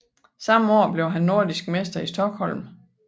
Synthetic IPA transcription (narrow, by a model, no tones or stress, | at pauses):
sɑ̈məɒ̰ːb̥le̝ʊɦænːo̝ɐ̰d̥isɡ̥̚mesd̥ɐisd̥ɒ̽ɡ̥hɒ̽l̰m